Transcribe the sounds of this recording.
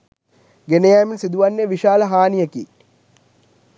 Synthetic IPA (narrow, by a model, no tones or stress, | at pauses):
ɡenejæːminsid̪uʋanːeʋiʃaːlɐɦaːnijəkḭː